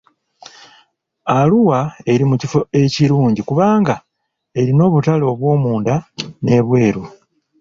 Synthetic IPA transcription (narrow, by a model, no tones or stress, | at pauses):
aluwae̞ɾimucifo̞e̞ciɾuːɲɟikuβaːŋɡa | e̞ɾino̞ːβutalo̞ːβwo̞ːmuːndane̞βwe̞ːɾu